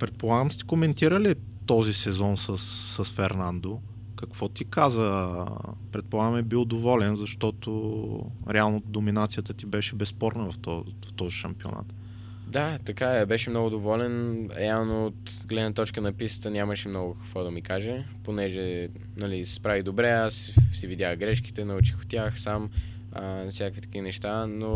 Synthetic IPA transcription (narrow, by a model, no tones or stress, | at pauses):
pɾɛt̪̚polˠaɡəmst̪i̥komɛnt̪iɾəli | t̪ɔzisɛzɔnsəsːəsfɛɾnand̪o | kɐkvɔt̪ikazə | pɾɛt̪̚polˠaɡəmɛbilˠd̪ovɔlɛnzɐʃt̪ɔt̪o | ɾɛalˠnod̪ominat̪sijət̪ət̪ibɛʃɛbɛspɔɾnəvɐft̪ɔ | ft̪ɔziʃɐmpio̰na̰t̪ | d̪at̪ɐkabɛʃɛmnɔɡʊd̪ovɔlɛnɾɛalˠnoːt̪ | ɡlɛd̪nət̪ɔt͡ʃkənɐpisə̥t̪ənʲaməʃɛmnɔɡʊkɐ̥kvɔd̪ɐmikaʒɛ | ponɛʒɛ | nɐlisɛ̥spɾavid̪obɾɛas | sɛvid̪ʲjaxɡɾɛʃki̥t̪ɛnɐut͡ʃi̥xʊ̥t̪ʲːaxsam | ə̰fsʲakəkvit̪ə̥kinɛʃt̪ano